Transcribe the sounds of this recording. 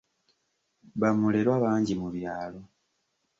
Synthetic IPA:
βamuleɾwaβaːɲɟimuβjaːlo̞

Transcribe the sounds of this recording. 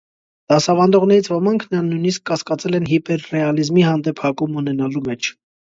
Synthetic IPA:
d̪̥ɑsɑvɑnd̪ɔʁn̪ɛɾit͡sʰvɔmɑŋkʰnənujniskːɑskɑt͡sɛlɛnɦipɛɾːɛɑlizmihɑnd̪ɛpʰhɑkumunɛnɑlumɛt͡ʃʰ

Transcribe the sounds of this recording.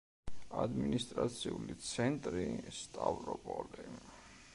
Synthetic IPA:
ad̪minist̪ʼɾat̪sʰiulit̪sʰɛnt̪ʼɾist̪ʼavɾɔpʼɔli

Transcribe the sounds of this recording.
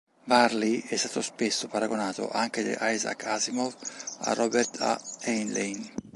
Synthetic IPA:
vaɾliɛst̪aːt̪ospesːopaɾaɡonaːt̪o̰ʔaŋk̟ed̪ḛʔajza̰kʰazimova̰rɔbɛɾt̪ʰa̰ɛnlejn

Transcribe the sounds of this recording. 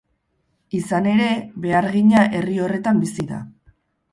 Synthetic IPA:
isane̞ɾe̞βe̞aɾɣiɲaʔe̞rio̞re̞t̪ambisiða̰

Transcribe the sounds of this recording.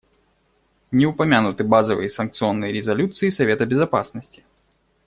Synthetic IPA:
nʲɪʊpɐmʲanʊt̪ɨbazəvɨ̰jəsɐnk̚t̪sɨonːəjɾʲɪzɐlʲut̪sɨisɐvʲet̪əbʲɪzɐpa̰snəsʲtʲɪ̥

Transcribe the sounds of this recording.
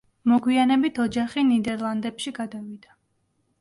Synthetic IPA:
mɔɡwianɛbit̪ʰɔd͡ʒaχinid̪ɛɾlˠand̪ɛpʃiɡad̪avid̪̥a

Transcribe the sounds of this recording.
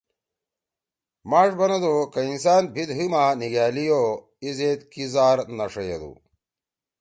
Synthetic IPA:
maːʂbɐnɐd̪okɐinsaːn̚bʱid̪ɦimaːniɡaːlijo | izet̪kizaːɾnɐʂɐjḛd̪ṵ

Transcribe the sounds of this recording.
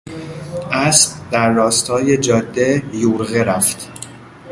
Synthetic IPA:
ʔæsbd̪æɾːɒːst̪ʰɒːje̞d͡ʒɒːd̪ːe̞juːɾɣeɾæft̪

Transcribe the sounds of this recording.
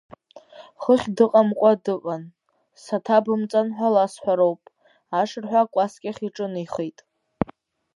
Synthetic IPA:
χəχʲdɨqʼamqʷʼadɨʔʷan | satʰabɨmt͡sʼanħʷalasħʷᶣaɾowpʼ | aʂɨrħʷᶣakʷʼaskʲʼaχʲiʈ͡ʂʼɨnijχejtʼ

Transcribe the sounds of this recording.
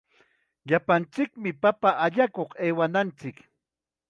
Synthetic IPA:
ʎapant͡sɪkmɪpapaʔaʎakoχeːwanant͡sɪk

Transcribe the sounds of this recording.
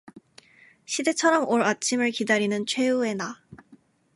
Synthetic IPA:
ɕʰide̞t͡ɕʰʌɾʌmoɾat͡ɕʰimɯɭkidaɾinɯnt͡ɕʰwe̞ue̞na

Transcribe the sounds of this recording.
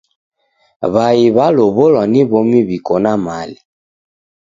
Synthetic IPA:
βajiβaloβolɔniβomiβikonamali

